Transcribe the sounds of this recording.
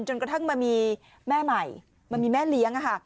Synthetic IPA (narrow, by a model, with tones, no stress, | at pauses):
nt͡ɕo˧nkt̪ʰa˥˩ŋmaː˧miː˧ | mɛː˥˩ma˨˩j | ma˧miː˧mɛː˥˩li˦əŋʔa˧kʰa˥˩